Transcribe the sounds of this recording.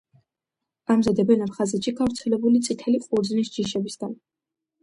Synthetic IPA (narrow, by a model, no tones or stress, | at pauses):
amzad̪ɛbɛnapʰχazɛt̪ʃiɡavɾt̪sʰɛlɛbulit̪sʼit̪ʰɛliqʼuɾd̪znisd͡ʒiʃɛbisɡan